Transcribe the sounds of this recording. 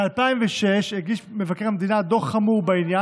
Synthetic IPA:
alpaimveʃeʃeɡiʃmevakeʁhamed̪inad̪o̞χamuʁbainja

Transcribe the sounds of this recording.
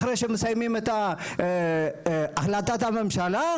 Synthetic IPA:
ɾejʃemesajmimet̪a | aχlat̪at̪amimʃala

